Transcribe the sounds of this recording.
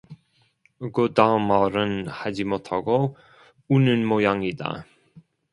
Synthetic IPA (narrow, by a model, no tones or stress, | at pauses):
ɯɡodamaɾɯnhad͡ʑimotʰaɡo | unɯnmojaŋida̰